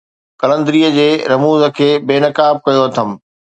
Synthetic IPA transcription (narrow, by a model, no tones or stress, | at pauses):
kɐlə̃nd̪ɾiːəd͡ʑeːɾɐmuːzə̆kʰeːbeːnɐkaːb̚kɐjoɐt̪ʰɐm